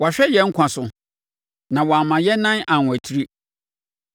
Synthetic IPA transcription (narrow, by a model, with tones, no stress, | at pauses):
wa˨ɕᶣɛ˦jɛ˦ŋ̩˦kʷʰã˨sʊ˨ | nã˨wɔ˨a˨mã˨jɛ˦nã˦nã˨nʷ˨æ˨tʰi˦ɾi˦